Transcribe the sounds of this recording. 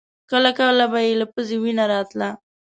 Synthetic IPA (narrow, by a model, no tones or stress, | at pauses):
kəlakawəlabajelapəzewinaɾɑt̪la